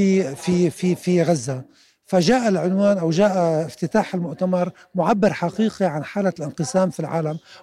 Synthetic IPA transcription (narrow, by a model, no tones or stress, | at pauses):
ifififiɣazːa | faʒaːʔalʕʊnwaːnʔawʒaːʔaɪft̪ɪt̪aːħɪlmʊʔt̪amɑɾˤ | mʊʕabːɪɾˤħaqiːqiʕanħaːlalʔɪnqɨsaːmfilʕa̰ːlam